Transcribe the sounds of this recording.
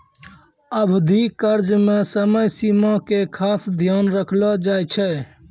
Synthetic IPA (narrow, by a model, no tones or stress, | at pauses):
əbʱd̪ʱikəɾd͡ʒmesəməjsimãkekʰasd̪ʱjanɾəkʰlɔd͡ʒajt͡ʃʰɛ